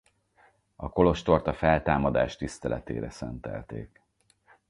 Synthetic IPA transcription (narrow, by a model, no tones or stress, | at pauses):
ɒko̞lo̞ʃt̪o̞rt̪ɒfɛlt̪aːmɒd̪aːʃt̪ist̪ɛlʔɛt̪ḛːɾɛsɛnt̪ɛ̰lt̪eːk